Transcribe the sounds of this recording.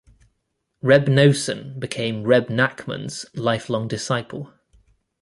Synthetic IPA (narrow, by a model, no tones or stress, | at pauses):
ɹɛbnəʊsə̰̃nbɪkʰẽɪ̃mɹɛbnakmə̰̃nz̥laɪflɒ̃ŋdɪsaɪpʰəlˠ